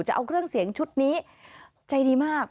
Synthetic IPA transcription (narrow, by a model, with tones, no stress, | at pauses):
t͡ɕa˨˩ʔa˧wkʰɾɯ˥˩əŋsi˨˩˦əŋt͡ɕʰu˦˥t̪̚niː˦˥ | t͡ɕa˧jdiː˧maː˥˩k̚